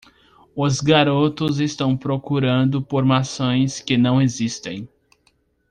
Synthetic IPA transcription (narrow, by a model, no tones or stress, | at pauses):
ʊzɡaɾot̪ʊzest̪ɐ̃w̃pɾokuɾɐ̃nd̪ʊpoɾmasõj̃skɪnɐ̃w̃ezist̪ḛ̃j̃